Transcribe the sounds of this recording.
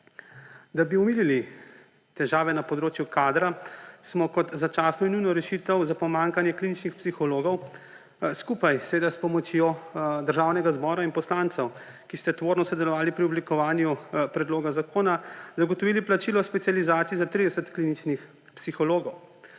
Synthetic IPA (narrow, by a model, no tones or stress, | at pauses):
d̪abiumiːlili | t̪ɛʒaːʋɛnapɔd̪ɾoːt͡ʃjukaːd̪ɾasmɔkɔt̪zat͡ʃaːsnɔinujnɔɾɛʃit̪əwzapɔmaːŋkanjɛklinit͡ʃnixpsixɔloːɡɔw | skuːpajsɛʋeːd̪aspɔmɔt͡ʃjoːd̪əɾʒaːwnɛɡazbɔːɾainpɔslant̪sɛw | kist̪ɛt̪ʋoːɾnɔsɔd̪ɛlɔʋaːlipɾiɔblikɔʋaːnjupɾɛd̪loːɡazakoːnazaɡɔt̪ɔʋiːliplat͡ʃiːlɔspɛt̪sijalizaːt̪sijizat̪ɾid̪ɛsət̪klinit͡ʃnix | psixɔloːɡɔw